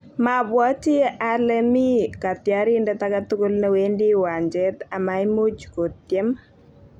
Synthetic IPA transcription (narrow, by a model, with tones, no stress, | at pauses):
maβwɔ˦t͡ʃi˦alɛmi˦ka˨t̪jaɾi˦ndɛtakat̪u˦ko˦lnɛwendi˦wa˨ɲd͡ʒɛt̪a˨maimu˦t͡ʃko˨t̪jɛ˦m